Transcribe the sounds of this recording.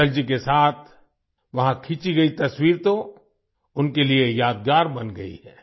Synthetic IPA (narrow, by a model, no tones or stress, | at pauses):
ɐld͡ʒikesaːt̪ʰ | ʋɐɦãkʰit͡ʃiɡɐit̪ɐswiːɾt̪o | ʊnkeliejaːd̪̚ɡaːɾbɐnɡɐḭɛː